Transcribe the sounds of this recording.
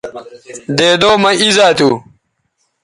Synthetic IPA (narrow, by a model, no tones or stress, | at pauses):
d̪eːd̪oːmɐizaːt̪u